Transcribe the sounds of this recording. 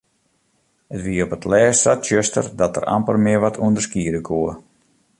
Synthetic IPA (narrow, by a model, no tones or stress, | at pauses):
hətʋiəɔpətlɛːssatjøstə̰rdɔtə̰ra̰mpəlˠmɪəɹʋɔtʰuəndərskiədəkʰoːə